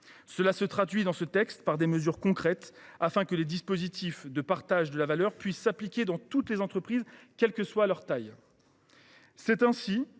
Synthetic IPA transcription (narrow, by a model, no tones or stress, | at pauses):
səlasət̪χad̪ɥid̪ɑ̃sət̪ɛkst̪paʁd̪eməzyʁkɔ̃kχɛt̪afɛ̃kəled̪ispozit̪ifd̪əpaʁt̪aʒd̪əlavalœʁpɥisːaplikʲed̪ɑ̃t̪ut̪lezɑ̃t̪χəpχizkʲɛlkəswalœʁt̪aj | sɛt̪ɛ̃si